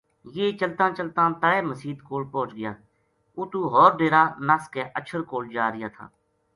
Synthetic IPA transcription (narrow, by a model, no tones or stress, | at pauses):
jeːt͡ʃəlt̪ãːt͡ʃəlt̪ãːt̪əɽeːməsiːd̪koːlpõːt͡ʃɡɪjaː | ʊt̪uːɦɔːɾɖeːɾaːnəskeːʔət͡ʃʰəɾkoːld͡ʒaːɾɪjaːt̪ʰa̰ː